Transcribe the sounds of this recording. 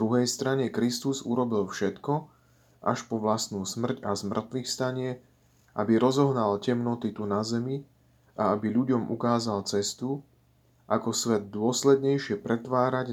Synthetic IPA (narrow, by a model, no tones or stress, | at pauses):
d̪ɾuɦɛjst̪ɾaɲɛkɾist̪uzṵɾɔbilfʃɛt̪kɔ | ʔa̰ʃpɔʋlast̪nuːsmr̩cazmr̩t̪ʋixst̪aɲɪɛ | ʔa̰biɾɔzɔɦnalcɛmnɔt̪it̪unazɛmi | ʔaabiʎuɟɔmʔṵkaːzalt͡sɛst̪u | ʔakɔsʋɛd̪̚d̪ːʊɔslɛd̪ɲɛjʃɪɛpɾɛt̪ʋaːɾaɟ